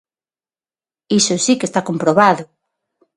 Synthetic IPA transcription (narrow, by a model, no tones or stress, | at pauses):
isʊsikest̪akompɾoβaðʊ